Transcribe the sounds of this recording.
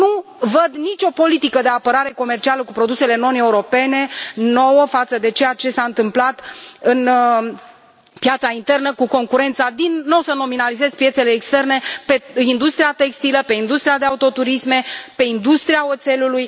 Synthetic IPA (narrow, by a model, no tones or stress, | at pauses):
nuvəd̪nit͡ʃʲo̞po̞lit̪ikəd̪e̞apəɾaɾe̞ko̞me̞rt͡ʃialəkupɾo̞d̪use̞le̞no̞ne̞uɾo̞pe̞ne̞no̞wəfat̪səd̪e̞t͡ʃe̞jat͡ʃe̞saɨnt̪ɨmplat̪ɨn | pjat̪saint̪e̞rnəkuko̞ŋkuɾe̞nt̪sad̪inːo̞wsəno̞minalize̞zpje̞t̪se̞leːkst̪e̞rne̞pe̞ind̪ust̪ɾiat̪e̞kst̪iləpe̞ind̪ust̪ɾiad̪eaut̪o̞t̪uɾisme̞pe̞ind̪ust̪ɾiaot̪se̞luluj